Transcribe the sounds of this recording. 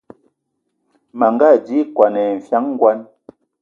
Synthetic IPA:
ma˨ŋɡa˦˨d͡ʒi˦kwa˨nɛ˨ɱ̩˨fja˦ŋŋ˦ɡwa˦n

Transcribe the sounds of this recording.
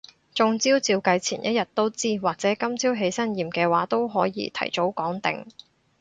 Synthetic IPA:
t͡sʊ˧ŋt͡siː˥wt͡siː˧wkɐ˧jt͡sʰiː˨˩njʔɐ̰˦˥t̚jɐ˨t̚t̪ːo˥wt͡siː˥waː˨k̚t͡sɛː˨˥kɐ˥mt͡siː˥wɦe˨˥jsɐ˥njiː˨mkɛː˧waː˨˥t̪o˥wɦɔː˨˥jḭː˧t̪ʰɐ̰˨˩jt͡ʃo˨˥wkɔː˨˥ŋt̪ɪ̰˨ŋ

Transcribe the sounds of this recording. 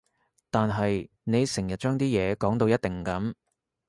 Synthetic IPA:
t̪aː˨nɦɐ˨j | ne˨˧jsɪ˨˩ŋjɐ˨t̚t͡ʃœː˥ŋt̪iː˥jɛː˨˧kɔː˨˥ŋt̪o˧wjɐ˥t̪̚ɪ˨ŋ˨kɐ˨˥m

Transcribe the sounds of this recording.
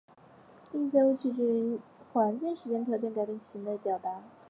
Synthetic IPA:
i˥˧t͡sa˥˧u˥˧˩t͡ɕʰy˥˩ʈ͡ʂɻ̩˥˩i˧˥nxwa˧˥nt͡ɕɛ˥˩ŋʂɻ̩˧˥t͡ɕjɛ˥nt̪ʰjɑ˧˥ʊt͡ɕjɛ˥nka˥˧˩ɪpi˥˩ŋɕi˧˥ŋle˧˥ɪpjɑ˨˩ʊt̪a˧˥

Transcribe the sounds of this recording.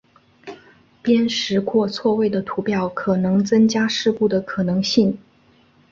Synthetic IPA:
pjɛ˥nʂɻ̩˧˥kʰwɔ˥˧t͡sʰwɔ˥˧we˥˩ɪd̪ə˩t̪ʰu˧˥pjɑ˥˩ʊkʰɤ˨˩nɤ˧˥ŋt͡sɤ˥ŋt͡ɕja˥ʂɻ̩˥˧pu˥˩d̪ə˩kʰɤ˨˩nɤ˧˥ŋɕi˥˩ŋ

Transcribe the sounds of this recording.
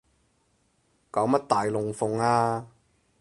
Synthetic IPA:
kaː˨˥wmɐ˥t̚t̪aː˨jlʊ˨ŋfʊ˨ŋaː˧

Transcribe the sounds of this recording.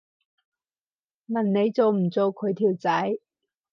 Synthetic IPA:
mɐ˨˩nne˨˧jt͡so˨wm̩˨˩t͡so˨˧wkʰɵ˨˧ɥt̪ʰiː˨˩wt͡sɐ˨˥j

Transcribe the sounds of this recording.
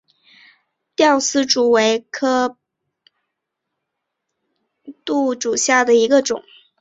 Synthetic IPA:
t̪jɑ˥˩ʊsɹ̩˥ʈ͡ʂu˨˩we˧˥ɪkʰɤ˥ | t̪u˥˩ʈ͡ʂu˨˩ɕja˥˩d̪ə˩i˧˥ɡə˧ʈ͡ʂʊ̰˨˩˦ŋ

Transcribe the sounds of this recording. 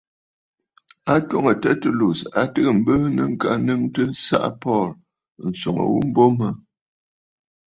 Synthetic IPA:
a˦two˦ŋə˨tɛ˦tu˦˨lu˨sa˨tə˦kə˨m̩˦bə˦nə̰˦ŋ̩˦ka˦nɨ˦ŋtə˦sa̰˦ʔpɔ˦˨ɾ | n̩˨so˨ŋə̰˨wṵ˦m̩˦bo˦mə˦

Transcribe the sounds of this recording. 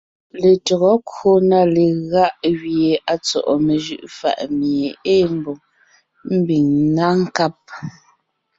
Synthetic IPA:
le˨tɔ˨ɣɔ˨˦kwo˦na˦˨le˨ɣa˦ʔɣje˨ʔa˨t͡sɔ̰˨ʔɔ˨me˨ʒʉ̰˦ʔfa̰˨ʔmje˨e˦m˨bɔ˨ŋ | m̩˦bi˨ŋna˦ŋ̩˦ka˦p̚

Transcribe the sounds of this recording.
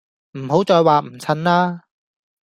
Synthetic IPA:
m̩˨˩ɦo˨˥wt͡ʃɔː˨˧jwaː˨m̩˨˩t͡sʰɐ˧nlaː˥

